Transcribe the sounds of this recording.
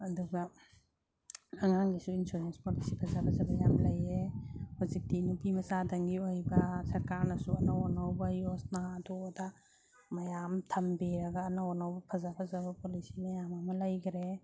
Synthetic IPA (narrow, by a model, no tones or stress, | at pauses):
ɐdubɐ | ɐŋaŋɡisuinsuɾenspolisipʰɐzapʰɐzɐbɐjamlɐjehuzik̚tinupimɐzadɐŋɡiojbɐsɐɾkaɾnɐsuɐnawɔnawbɐjosnatuda | mɐjamtʰɐmbeɾɐɡɐːnawɔnawbɐpʰɐzapʰɐzabɐpolisimɐjamɐmɐlɐjɡɾe